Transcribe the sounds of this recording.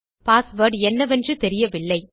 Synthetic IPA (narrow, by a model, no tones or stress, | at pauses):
paːsʋɐɾɖɛnːɐʋɛndrɯt̪ɛɾɪjɐʋɪɭːɐɪ